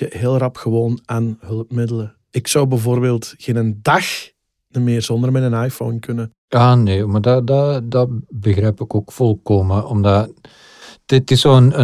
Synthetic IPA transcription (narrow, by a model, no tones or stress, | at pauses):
əɦeːlˠrɑpxəʋoːnaːnɦɵlˠəpmɪdələ | ɪksʌwbɛvoːrbeːlˠtxenəndɑx | nəmɪːrz̥ɔndərmɛnənajfownkɵnə | aːneːmadɑdadɑbəɣrɛjpɪkoːkfɔlˠkoːməʔɔmda | d̥ɪtɪsoːənə